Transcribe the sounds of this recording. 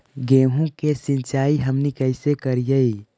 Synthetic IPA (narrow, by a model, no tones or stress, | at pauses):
ɡeɦũkesɪ̃nt͡ʃaːiɦəmnikəɪsekəɾijəi